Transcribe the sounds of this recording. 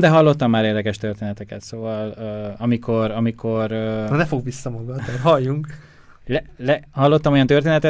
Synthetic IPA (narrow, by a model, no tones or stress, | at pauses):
d̪ɛɦɒlːo̞t̪ːɒmːaːɾeːrd̪ɛkɛʃt̪ørt̪eːnɛt̪ɛkɛ̰t̪soːvɒløːɒmiko̞rɒmikʰo̞røɒnɛfo̞ɡbisːɒmɒɡɒt̪ɛrɦɒjːuŋk | lɛlɛhɒlːo̞t̪ːɒmo̞jɒnt̪ørt̪eːnɛt̪ɛ